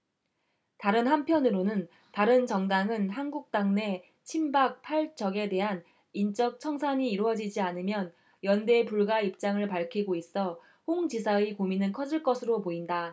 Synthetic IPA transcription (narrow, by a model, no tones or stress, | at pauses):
taɾɯnɦampʰjʌnɯɾonɯn | taɾɯnt͡ɕʌŋdaŋɯnɦanɡuk̚t͈aŋne̞ | t͡ɕʰimbak̚pʰaɭt͡ɕ͈ʌɡe̞de̞ɦan | int͡ɕ͈ʌk̚t͡ɕʰʌŋsʰaɲiːɾwʌd͡ʑid͡ʑianɯmjʌn | jʌnde̞puɭɡaip̚t͡ɕ͈aŋɯɭpaɭkʰiɡois͈ʌ | hoŋd͡ʑisʰaikominɯnkʰʌd͡ʑiɭk͈ʌsʰɯɾopoinda